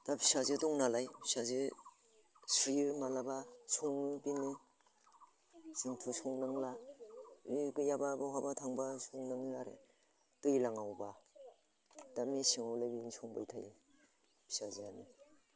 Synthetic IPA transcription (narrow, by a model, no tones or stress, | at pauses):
d̥apʰi̥sazɯdɔŋnalajpʰisazɯ | sɾimalabasuŋɯbinɯ | sɯŋtʰusɔŋnaŋla | ɡɯjababaɦabatʰaŋbasuŋnaŋlaɾḛ | dujlaŋawba | damisiŋawlajbinsɔŋba̰jtʰaj | pʰi̥sazeani